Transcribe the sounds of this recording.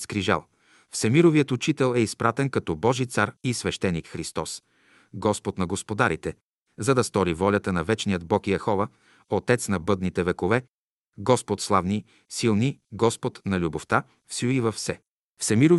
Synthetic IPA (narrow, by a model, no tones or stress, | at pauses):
skɾiʒa̰lˠ | fsɛmiɾovijət̪ʊt͡ʃit̪ɛlˠɛispɾat̪ɛnkɐt̪ɔbɔʒit̪saɾisvɛʃt̪ɛnːikxɾist̪ɔs | ɡɔspot̪nɐɡospod̪aɾit̪ɛ | zɐd̪ɐst̪ɔɾivɔlʲət̪ənɐvɛt͡ʃnijəd̪bɔkijəxɔvə | ot̪ɛt̪snɐbɤd̪nit̪ɛvɛkovɛ | ɡɔspot̪slˠavni | silˠniɡɔspot̪nɐlʲuboft̪a | fsuivɐfsɛ | fsɛmiɾo